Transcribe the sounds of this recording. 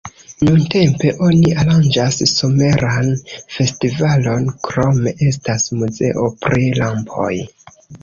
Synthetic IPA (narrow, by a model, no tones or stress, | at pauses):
nunte̞mpe̞ʔo̞niʔaɾand͡ʒasːo̞me̞ɾanfe̞stivalo̞nkɾo̞me̞ʔe̞stasmuze̞̰ʔo̞pɾilampʰo̞̰j